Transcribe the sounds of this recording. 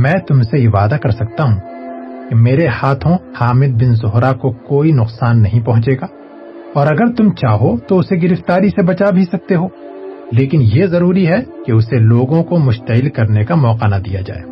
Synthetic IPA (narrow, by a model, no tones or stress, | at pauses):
mɛ̃ːt̪ʊmsejeʋaːd̪akɐɾsɐk̚t̪aɦũːkemeːɾehaːt̪ʰõhaːmɪd̪̚bɪnzʊɦɾakokoːinʊqsaːnːɐɦĩpɐɦʊ̃t͡ʃeːɡaː | ɔːɾɐɡəɾt̪ʊmt͡ʃaːɦot̪oʊseɡɪɾɪft̪aːɾisebɐt͡ʃaːbʱisɐk̚t̪eɦoː | leːkɪnjezɐɾuːɾiɦɛkeʊseloːɡõkomʊʃt̪ɐɦɪlkɐɾnekamɔːqanad̪ḭja̰d͡ʒa̰ːḛː